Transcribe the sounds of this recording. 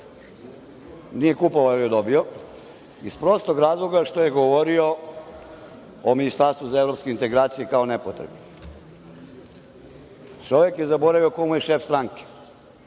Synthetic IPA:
nijekupoʋaojod̪obio | ispɾost̪oɡɾaːzlˠoɡaʃt̪oje̞ɡoʋoɾio | ominist̪aɾst̪ʋuzaevɾopskeint̪e̞ɡɾaːt̪sijekaonepot̪ɾebni | t͡ʃoʋekjezaboɾaʋijokomujeʃefst̪ɾaŋke̥

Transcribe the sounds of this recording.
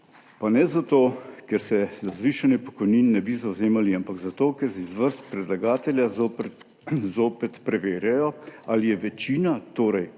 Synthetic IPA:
panɛzat̪oːkɛɾsɛzazʋiʃanipɔ̥kɔjniːnːɛbizawzeːmaliampaɡzat̪oːkɛɾsɛizʋəɾst̪̚pɾɛd̪laɡaːt̪ɛlja | zoːpɛt̪pɾɛʋeːɾjajɔalijɛʋɛt͡ʃiːnat̪oːɾɛj

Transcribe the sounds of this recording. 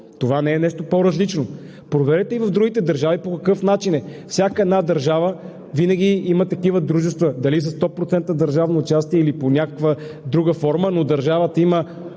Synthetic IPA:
t̪ovanɛɛnɛʃt̪opoɾɐzlit͡ʃno | pɾovɛɾɛt̪ɛivɐvd̪ɾuɡit̪ɛd̪ɐɾʒavipokɐkɤfnat͡ʃinɛfsʲjakəɛd̪nad̪ɐɾʒavə | vinɐɡʲiimət̪ɐkivəd̪ɾuʒɛst̪vəd̪ɐlis̬əst̪ɔpɾot̪sɛnt̪əd̪ɐɾʒavnoːt͡ʃast̪iɛiliponʲakə̥kvəd̪ɾuɡəfɔɾmənod̪ɐɾʒavət̪əimə

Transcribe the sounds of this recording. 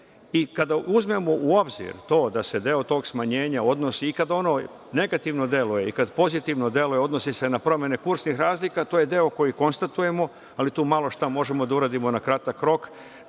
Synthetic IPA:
ikad̪aʔuzme̞mo̞ʔuo̞bzḭɾt̪o̞ːd̪ase̞d̪e̞o̞t̪o̞ːɡsmaɲe̞ːɲao̞d̪no̞siːkad̪o̞no̞ | ne̞ɡat̪iʋno̞d̪je̞luje̞ikad̪po̞zit̪iʋno̞d̪je̞lujeo̞d̪no̞sisenapɾo̞mje̞ne̞kuɾsnixɾaːzlikat̪oje̞d̪e̞o̞ko̞jiko̞nst̪at̪uje̞mo̞ | alit̪uːmalˠo̞ʃt̪amo̞ʒe̞mo̞d̪auɾaːd̪imo̞nakɾat̪akɾo̞k

